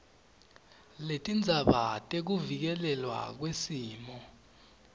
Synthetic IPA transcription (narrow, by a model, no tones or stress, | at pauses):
letʼind͡zʱaɓatʼek̬uvik̬ɛlɛlwa̰k̬wesiːmɔ